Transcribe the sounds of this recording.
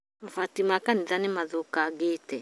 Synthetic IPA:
afatimakaniðanimaðokaɡetɛ

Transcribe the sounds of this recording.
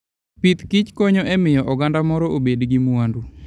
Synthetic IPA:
pit̪kɪt͡ʃkoɲoʔɛmɪjɔʔɔɡandamɔɾɔʔobedɡimuandu

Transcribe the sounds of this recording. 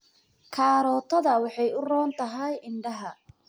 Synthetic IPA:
kʰaːɾɔːt̪ʰɐðɐwɑħɑjʊrɔːnt̪ʰɐɦɛjɪɳɖɐɦɐ

